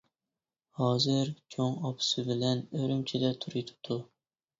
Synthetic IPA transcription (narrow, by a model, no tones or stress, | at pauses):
hɑːzɨɾt͡ʃʲʰoŋɑpʰʊ̥sɪbɪlɛnøɾymt͡ʃʰid̪ɛt̪ʰuɾɨjt̪ʰu̥t̪ʰu